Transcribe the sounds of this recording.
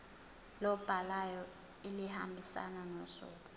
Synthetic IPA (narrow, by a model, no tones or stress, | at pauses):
lɔb̥ʱalajɔ | iliha̰mbʱisa̰nanɔsɔ̰ːkɔ